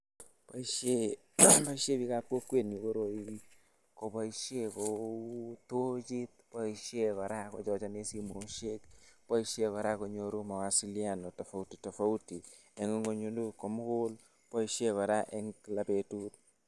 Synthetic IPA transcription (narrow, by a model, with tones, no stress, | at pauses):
pa˨iʃe | pa˦i˦ʃe˦pi˦ka˦pwo˦kwe˦ni˨ko˦ɾo˨ii | ko˨pa˦iʃje˦ko | tot͡ʃi˦t̪̚pɔ˦iʃe˦kɔ˨ɾa˦kɔ˨t͡ʃɔ˦t͡ʃɔ˦ne˦si˦mo˨ʃe˦kpɔ˦iʃe˦kɔ˨ɾa˦ko˨ɲoɾu˦ma˨wa˨si˦lia˦no˨ta˨fa˨uti̥˨ta˨fa˦uti˨ | ɛ˨ŋo˦ŋɡo˨ɲondu˦ko˨mʊ˦kʊl | pɔ˦iʃje˦kɔ˨ɾa˦ʔɛ˦ŋkla˨pe˨tut